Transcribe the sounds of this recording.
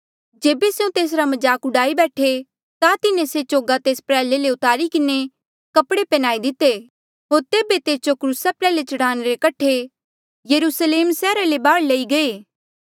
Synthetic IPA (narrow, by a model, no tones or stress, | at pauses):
d͡ʒeːbeseũt̪eːs̬ɾamɐd͡ʒaːkʊɽaːibɛːʈʰe | t̪at̪ɪnẽset͡ʃoːɡat̪eːspɾɛːleleʊt̪aːɾikɪne | kɐpɽepɛnaːid̪ɪt̪e | ɦoːɾt̪eːbet̪eːsd͡ʒokɾuːsapɾɛːlet͡ʃɐɽaːneɾekɐʈʰe | jɐɾuːsleːmsɛːɾalebaːɽlɐiɡɐeː